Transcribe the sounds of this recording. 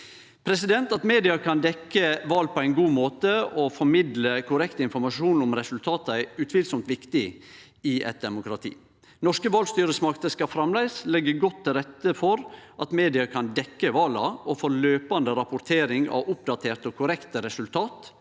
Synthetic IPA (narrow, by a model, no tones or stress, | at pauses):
pʰɾɛsɪd̪ɛnt̪ɑt̪meːd̪ɪɑkʰɑnd̪ɛkːəʋɑːlpʰɔæɪnɡuːmoːt̪əɔfɔɾmɪd̪ləkʰʊɾɛkt̪əɪnfɔɾmɑʂuːnʊmɾɛsʉlt̪ʰɑːt̪əæʉt̪ʰʋɪːlsɔmt̪ʋɪkt̪ɪ | ɪʔɛ̰t̪̚d̪ɛmʊkɾɑt̪ʰḭː | nɔʂkəʋɑːlst̪yːɾəsmɑkt̪əskɑfɾɑmlæɪslɛɡːəɡɔt̪ʰːɪlɾɛt̪ːəfɔɾʔɑt̪meːd̪ɪɑkʰɑnd̪ɛkːəʋɑːlɑ̰ɔfoːløːpɑnd̪əɾɑpʊɾt̪ʰeːɾɪŋɑ̰ʋʊp̚d̪ɑt̪ʰeːɾt̪ɔkʰʊɾɛkt̪əɾɛsʉlt̪ʰɑːt̪